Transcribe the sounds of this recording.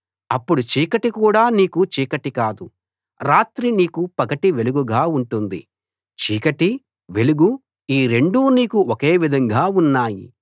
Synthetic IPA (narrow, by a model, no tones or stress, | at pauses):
ɐpːuɽut͡ʃiːkɐʈikuːɽaːniːkut͡ʃiːkɐʈikaːd̪u | ɾaːt̪ɾiniːkupɐkɐʈiʋe̞luɡuɡaːuɳʈund̪ḭ | t͡ʃiːkɐʈi | ʋe̞luɡu | iːɾe̞ɳɖuːniːkuoke̞ːʋid̪ʱɐŋɡaːunːaːjḭ